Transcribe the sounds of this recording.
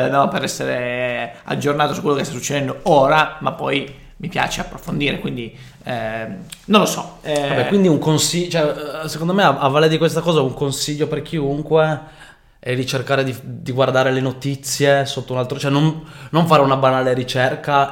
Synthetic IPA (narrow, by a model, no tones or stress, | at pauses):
nɔpeɾɛsːeɾea̰d͡ʒːornaːt̪osukwelokest̪asut͡ʃːed̪ɛnd̪ooːɾamapːɔj | mipja̰ːt͡ʃeapːɾofond̪iːɾekwind̪i | nõnlosɔabɛkwind̪iuŋkonsit͡ʃoɛsekond̪omeaavːaːled̪ikwest̪akɔːzauŋkonsiʎːoperk̟ʰiuŋkwe | ɛrit͡ʃerkaːɾed̪id̪iɡward̪aːɾelenot̪it̪sːjesot̪ːounalt̪ɾot͡ʃoɛnonnoɱfaːɾeunabanaːleɾit͡ʃɛrka